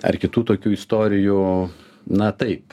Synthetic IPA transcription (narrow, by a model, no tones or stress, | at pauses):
ɐ̰rkʲɪt̪uːt̪oːkʲuːɪst̪oːɾʲɪju | nɐt̪ɐɪp